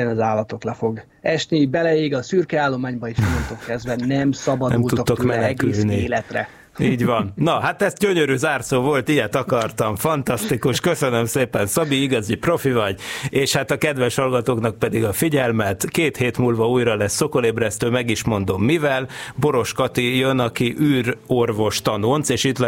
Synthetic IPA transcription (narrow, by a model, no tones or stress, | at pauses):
ɛnɒzaːlːɒt̪o̞klɛfo̞ɡ | ɛʃnibɛlɛiɡɒsyrkɛaːlːo̞maːɲbɒeʃɛmont̪okːɛzd̪vɛnɛmsɒbɒd̪nɛ̰mːt̪uk̪t̪ːokmɛnnɡkylniːlɛt̪rɛ̰ | iːɟʋɒnːɒɦat̪ɛzɟøɲøɾyzaːrt̪soːvo̞lt̪ijɛt̪ɒkɒrt̪ɒɱfɒnt̪ɒst̪ikuʃkøsø̞nømseːpɛnsɒbiiɡɒzipro̞fivɒɟeːʃhat̪ɒkɛd̪ʋɛʃhɒlɡɒt̪oːknɒk̚pɛd̪iɡɒfiɟɛlmɛt̪keːt̪heːt̪muːlvɒuːjrɒlɛsːo̞ko̞leːbrɛst̪øːmɛɡiʃmo̞nd̪o̞mːivɛlbo̞ɾo̞ʃkɒt̪ijønɒkiʔyːrorvo̞ʃt̪ɒnonseːʃit̪l